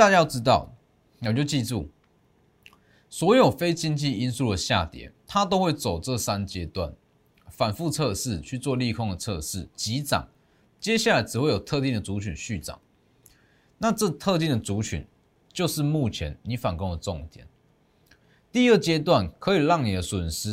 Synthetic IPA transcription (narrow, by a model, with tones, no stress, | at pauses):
t̪a˥˧t͡ɕa˥jʊʈ͡ʂɻ̩˥t̪ɑ˥˩ʊ | wɔ˨˩t͡ɕjo˥˧ʊt͡ɕi˥˧t͡su˥˩ | swɔ˧˥jo˨˩ʊfe˥ɪt͡ɕi˥nt͡ɕi˥˨i˦˥nsu˥˩lə˩ɕja̰˥˨t̪jɛ̰˨˩˦t̪ʰa˦t̪̬o˥ʊxwe˥˩ɪt͡so˨˩ʊt͡sɤ˥˨sa˦nt͡ɕjɛ˥t̪wa̰˥˩n | fa˨˩nfu˥˧t͡sʰɤ˥˧ʂɻ̩˥˩t͡ɕʰy˥˧t͡swɔ˥˧li˥˨kʰo˥ŋd̪ə˨t͡sʰɤ˥˧ʂɻ̩˥˩t͡ɕi˨˥t͡sɑ̰˨˩ŋ | t͡ɕjɛ˥ɕja˥˩la˨˥ɪt͡sɻ̩˨˩xwe˥˩ɪjo˨˩ʊt̪ʰɤ˥˧t̪i˥˩d̪ə˩t͡su˧˥t͡ɕʰy˨˩nɕy˥˩t͡sɑ̰˨˩˦ŋ | na˥˧t͡sɤ˥˧t̪ʰɤ˥˧t̪i˥˩ŋd̪ə˩t͡su˨˧˥t͡ɕʰy̰˨˩n | t͡ɕjo˥˧ʊʂɻ̩˥˧˨mu˥˩t͡ɕʰjɛ˧˦nni˨˥fa˨˩nko˥ŋə˨˩t͡sɔ˥˨ŋt̪jɛ̰˨˩˦n | t̪i˥˧ə˥˩t͡ɕjɛ˥t̪̬wa˥˩nkʰɤ˧˦˥i˨˩lɑ˥˨˩ŋni˨˩d̪ə˦swə˨˩nʂɻ̩˧˥